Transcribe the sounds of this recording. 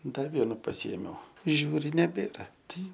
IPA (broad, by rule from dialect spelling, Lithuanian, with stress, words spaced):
ˈdɐ ˈʋʲiɛnʊ pɐˈsʲɪeːmʲɛʊ ˈʒʲuːrʲɪ nʲɛˈbʲeːrɐ ˈtɐɪ